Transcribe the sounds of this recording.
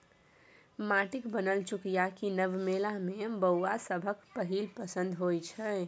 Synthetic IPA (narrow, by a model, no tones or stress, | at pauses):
maʈikbənəlt͡ʃukijakinəbmelamebəwasəbʱəkpəɦilpəsə̃nd̪ʱɦojt͡ʃʰɛ